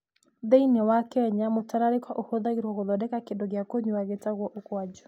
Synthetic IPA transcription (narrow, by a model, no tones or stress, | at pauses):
dɛinɛwakɛɲamʊtaɾaɾɪkwaʔuhoðaɣiɾwɔɣɔðɔdɛkakɪdɔɣɪakoɲuwaɣɛtaɣɔʔukwad͡ʒɔ̥